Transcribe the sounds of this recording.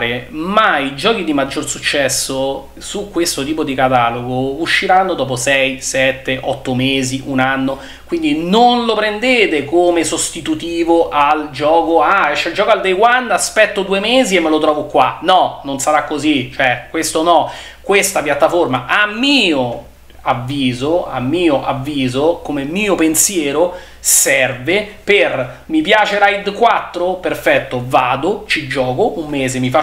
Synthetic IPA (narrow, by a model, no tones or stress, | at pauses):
ɾemaid͡ʒɔːk̟id̪imad͡ʒːorsut͡ʃːɛsːo | sukːwest̪ot̪iːpod̪ikat̪aːloɡouʃːiɾanːod̪ɔːp̬osɛjsɛt̪ːeʔɔt̪ːomeːziʔunanːo | kwind̪inonlopɾend̪eːt̪ekomesost̪it̪ut̪iːvoʔald͡ʒɔːkoaɛt͡ʃːɛld͡ʒɔːkoald̪ejɡwanːaspɛt̪ːod̪uemeːziemːelot̪ɾɔːvokːwanɔnonsaɾakːozit͡ʃoɛkwest̪onɔ | kwest̪apjat̪ːaformaʔamːiːo | avːiːzoa̰mːiːoʔavːiːzokomemːiːopensjɛːɾo | sɛrveper | mipjaːt͡ʃeɾajd̪kwat̪ːɾoperfɛt̪ːovaːd̪ot͡ʃid͡ʒɔːkoʔumːeːzemifa